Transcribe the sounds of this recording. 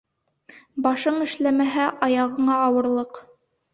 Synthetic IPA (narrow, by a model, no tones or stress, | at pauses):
bɑʃɤɴɘ̆ʃlæmæɦæʔɑjɑʁɤ̆ɴɑːwɤ̆ɾlˠɤq